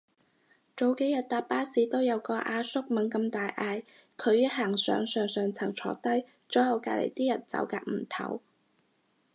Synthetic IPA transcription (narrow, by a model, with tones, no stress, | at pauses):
t͡so˨˧wke˨˥jɐ˨t̚t̪aː˨t̚paː˥siː˨˥t̪o˥wjɐ˨˧wkɔː˧ʔaː˧sʊ˥k̚mɐ˨˥nkɐ˧mt̪aː˨jʔaː˧j | kʰɵ˨˧ɥjɐ˥t̚ɦaː˨˩ŋsœ̰ː˨˧ŋsœː˨˧ŋsœː˨ŋt͡sʰɐ˨˩ŋt͡sʰɔ̰ː˨˧t̪ɐ˥j | t͡sɔː˨˥jɐ˨˧wkaː˧lḛ˨˩jt̪iː˥jɐ˨˩t̚t͡sɐ̰˨˧˥wkaː˧k̚m̩˨˩t̪ʰɐ̰˨˩˥w